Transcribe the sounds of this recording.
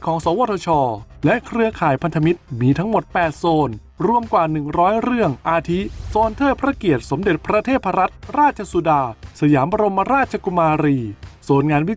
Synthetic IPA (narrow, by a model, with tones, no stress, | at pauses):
kʰɔː˩˦ŋsɔː˩˦woː˧˥˩t̪ʰoː˧t͡ɕʰɔː˧lɛ˦˥ʔkʰɾɯ˧˥ɐkʰaː˨˩jpʰa˧nt̪ʰa˧mi˦˥t̪̚miː˧t̪ʰa˦˥ŋmo˨˩t̪̚pɛː˨˩t̪̚soː˧n | ɾu˧˥˩əmkwaː˨˩nɯ˨˩ŋɾɔː˦˥jɾɯ˥˩əŋʔaː˧t̪ʰi˦˥soː˧nt̪ʰɤː˥˩pʰɾa˦˥ki˨˩ət̪̚so˩˦mde˨˩t̪̚pʰɾa˧t̪ʰeː˥˩t̪pʰa˧ɾa˦˥t̪̚ɾaː˥˩t̪̚t͡ɕʰa˧su˧daː˧sa˧jaː˩˦mba˧ɾo˧mːa˧ɾaː˥˩t̪̚t͡ɕʰa˧ku˧maː˧ɾiː˧soː˨˩nŋaː˧nwi˦˥